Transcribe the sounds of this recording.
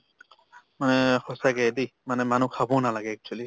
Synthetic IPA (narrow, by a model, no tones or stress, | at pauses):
manɛxɔsaɡɛdimanɛmanukʰabɔnalaɡɛːk̚tʰuali